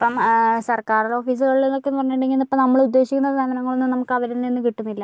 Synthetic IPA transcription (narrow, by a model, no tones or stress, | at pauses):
epːɐmsɐrkaːrulo̞ːfiːs̬ɨɣɐɭilenːo̞kːenuʋɐrɐɲːuɳɖeŋɡinɐpːɐmnɐmːɐɭud̪ːe̞ːɕikʲːunːɐaːmɐnɐŋːɐɭonːɨmnɐmukːɐʋɐɾenːenːɨkiʈːunːilːɐ